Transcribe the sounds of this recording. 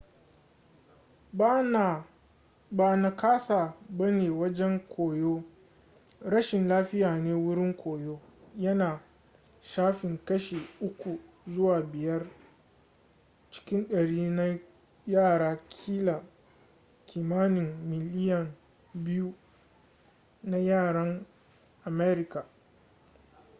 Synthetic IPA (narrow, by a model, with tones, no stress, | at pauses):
baː˨na˨kaː˦sa˨bɐ˦neː˨wɐ˦d͡ʒɛ˦ŋkʷʰoː˨joː˦ | ɾɐ˦ʃɪ˨nlaː˦ɸɪ˦jaː˨neː˦wʊ˦ɽɪ˦ŋkʷoː˨joː˦ | jɐ˦naː˨ | ʃaː˦ɸɪ˨ŋkɐ˦ʃe˨ʔʊ˦kʷu˨ | zʊ˦waː˨bɪ˨jɐ˦r | t͡ʃɪ̥˦kʲɪ˦nɗɐ˨ɽiː˦na˦ | jaː˦˨ɾaː˦kʲʰiː˦la˨ | kʰʲiː˨maː˦nɪ˨ŋmɪ˨lɪ˦jɐ˨n | bɪ˦ju˦ | na˦jaː˦˨ɽɐ˦ŋ | ʔa˨mɛː˦ɾɪ˦ka˨